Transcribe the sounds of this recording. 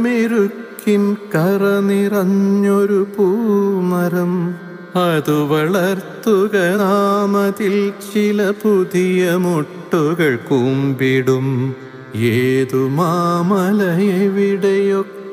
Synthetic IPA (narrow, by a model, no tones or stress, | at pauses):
meɾukʰː | inkɐrɐnirɐɲːoɾupumɐɾɐm | ɐðuʋɐɭɐrt̪uɣɐnaːmɐðilt͡ɕilɐpuðijɐmoʈːuɣɐɭkumbiɽum | eːðumamɐlɐjɐʋiɽɐjo